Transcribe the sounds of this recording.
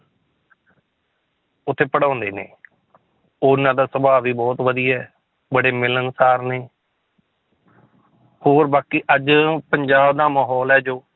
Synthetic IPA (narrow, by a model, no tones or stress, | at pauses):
ʊt̪ʰːeːpəɽãːnd̪ḛːnḛː | ʊnãːd̪aːsəbaːʋiːbɔːt̪ʋəd̪ijɛː | bəɽeːmɪlənsaːɾneː | hoːɾbaːkiːʔəd͡ʒpəɲd͡ʒaːbd̪aːmaːɦɔːlɛːd͡ʒoː